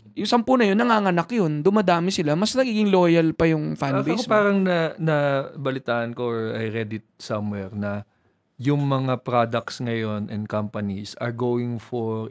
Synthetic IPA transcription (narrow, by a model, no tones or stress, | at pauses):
jʊŋsɐmpunɐjonːɐŋaŋɐnɐkjond̪ʊmɐd̪aːmɪsɪlamɐsnɐɡiːɡɪŋloːjɐlpɐjʊŋfajnbekopaːɾɐŋnɐnɐbɐlɪt̪aːʔɐnkoɔɹɐjɾɛd̪ɪt̪̚sɐmwɛɾnɐ | jʊŋmɐŋapɾad̪ɐk̚t̪sŋɐjo̞nʔɛnd̪̚kɐmpɐnisɐ̰ɹɡowwɪŋfoɹ